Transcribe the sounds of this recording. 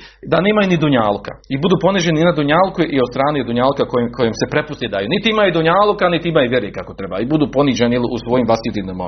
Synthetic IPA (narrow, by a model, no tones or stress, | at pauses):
d̪aneːmajunid̪uɲaːluka̰ibud̪uːpo̞nid͡ʑeniinad̪uɲaːlukuʔiost̪ɾaːned̪uɲaːlkakokojemsepɾe̞pust̪ed̪aːjuːnit̪iimajud̪uɲaːlukanit̪iimaːjuʋjeɾekako̞t̪ɾe̞ba̰ibud̪uːpo̞niːd͡ʑenijeliʔusʋojiːmʋasit̪inoma̰